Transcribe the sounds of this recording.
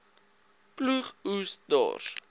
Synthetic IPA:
pluχusdɑ̰ːr

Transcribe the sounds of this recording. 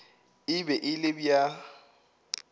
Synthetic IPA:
ɪbɛʔɪlɪbja

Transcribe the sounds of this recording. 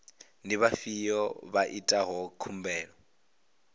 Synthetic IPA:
niβafijɔβaʔitʼaɦɔkʰum̩bɛːɺɔ

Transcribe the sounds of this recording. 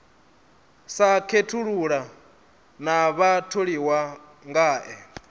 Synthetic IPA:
sakʰetʰuɺuɺa | naβatʰoɺiwa | ŋɡaːʔɛ

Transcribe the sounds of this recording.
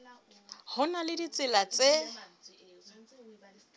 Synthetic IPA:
hʊnalɪdit͡sʼɪlat͡sʼe

